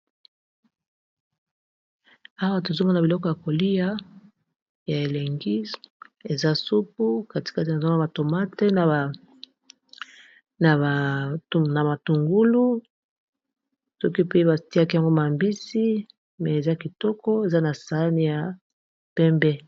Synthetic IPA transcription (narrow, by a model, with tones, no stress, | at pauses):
a˦wa˦to˨zo˦ŋɡa˦na˨bi˨lɔ˦kɔ˦ja˨ko˨li˦ja˦ | ja˨e˨le˨ŋɡi˦e˨za˦su˦p̚u˦ka˦ti̥˨ka˦ti˨na˨za˦ɡa˨to˨ma˦te˦n˨ | na˨ | na˨ma˨tu˨ŋɡu˦lu˦ | sɔ˦ki˦pe˦e˦ba˨ti˦a˦ki˦a˨ŋɡo˦ma˨mbi˦si˦ | mɛ˨e˨za˦ki˨tɔ˦kɔ˦e˨za˦na˨sa˨˦ni˦ja˨ | pɛ˦mbɛ˦